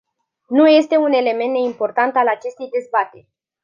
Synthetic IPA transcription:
nuje̞st̪e̞une̞le̞me̞nt̪d̪e̞impo̞rt̪ant̪alat͡ʃe̞st̪e̞jd̪e̞zbat̪e̞rʲ

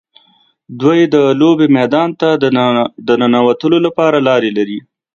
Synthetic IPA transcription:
d̪wajed̪əlobemɛd̪ɑnt̪a | d̪ənənawat̪əlolapɑɾalɑɾelaɾi

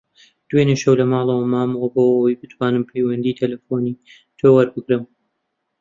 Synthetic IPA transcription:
d̪̥wenɨʃɐwlɐmɑːlˠɐwɐmaːmɐwɐboːʔɐwɐjbɨt̪ʰwaːnɨmpʰejwɐnd̪iːt̪ʰɐlɐfoːni | t̪ʰoːwɐɾbɨkɾɨm

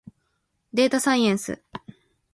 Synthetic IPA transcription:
d̪e̞ːt̪asãĩẽɰ̃sɨ̰

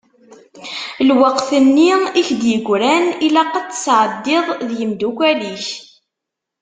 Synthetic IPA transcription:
lwəqθənːiiçd̪jəɡʷɾænilæqət͡sːsʕəd̪ːɪðˤðjəmd̪ukʷæliç

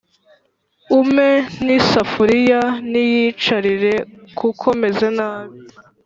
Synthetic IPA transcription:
ume̞nisafuɾijanijit͡ʃaɾiɾe̞kukʰo̞me̞zenaːβi

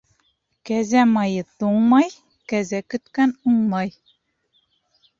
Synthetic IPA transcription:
kæzæmɑjɤt̪uɴmɑj | kæzækɵ̆t̪kænuɴmɑj

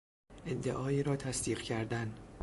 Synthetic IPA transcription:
ʔed̪ːḛʔɒːiːɾɒːt̪ʰæsd̪iːqcʰæɾd̪æn

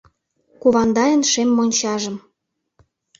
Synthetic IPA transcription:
kuβɑnd̪ɑjənʃemːonʲt͡ɕɑʒə̆m

